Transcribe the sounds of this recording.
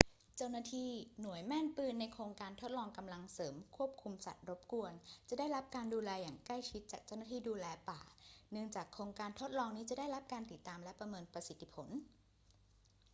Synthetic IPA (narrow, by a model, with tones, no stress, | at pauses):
t͡ɕa˥˩wnaː˧˩t̪ʰiː˧˩nu˨˩˦əjmɛ˥˩npɯː˥˩nːa˧jkʰoː˧ŋkaː˧nt̪ʰo˦˥t̪̚lɔː˧ŋka˧mla˧ŋsɤː˩˦mkʰu˥˩əp̚kʰu˧msa̰˨˩t̪̚ɾo˦˥p̚ku˧ənt͡ɕa˨˩daː˥˩jɾa˦˥p̚kaː˧nduː˧lɛː˧jaː˨˩ŋkla˥˩jt͡ɕʰi˦˥t̪̚t͡ɕaː˨˩k̚t͡ɕa˥˩wna˥t̪ʰiː˧˩duː˧lɛː˧paː˨˩nɯ˥˩əŋt͡ɕaː˨˩kʰːɾoː˧ŋkaː˧nt̪ʰo˦˥t̪̚lɔː˧ŋniː˦˥t͡ɕa˨˩daː˥˩jɾa˦˥p̚kaː˧nt̪i˨˩t̪ːaː˧mlɛ˦˥pɾa˧mɤː˧npɾa˧si˨˩t̪ʰːi˦˧pʰo˩˦n